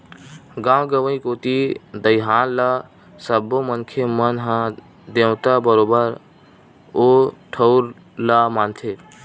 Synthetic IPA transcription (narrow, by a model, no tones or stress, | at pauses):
ɡãːwɡəʋəĩkot̪id̪əjɦaːnla | səbːomənkʰemənɦã | d̪ẽt̪abəɾobəɾ | oʈʰəʊɾ | lamant̪ʰe